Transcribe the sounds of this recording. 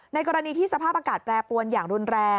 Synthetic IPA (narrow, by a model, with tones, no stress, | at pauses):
na˧jkɔː˧ɾa˧niː˧t̪ʰiː˥˩sa˧pʰaː˥˩p̚ʔaː˧kaː˨˩t̪̚pɾɛː˧pu˧ənjaː˨˩ŋɾu˧nɾɛː˧